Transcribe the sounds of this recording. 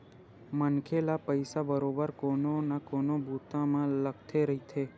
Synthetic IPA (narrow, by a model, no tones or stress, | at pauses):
mənkʰelapəjsabəɾobəɾkononakonobʱut̪amãlək̚ʰt̪ʰeɾəɦit̪ʰe